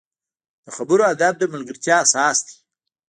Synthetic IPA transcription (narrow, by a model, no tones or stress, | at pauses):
d̪̥əxabʊɾoad̪ab̚d̪əmʊlɡəɾt̪jɑːsɑsd̪i̥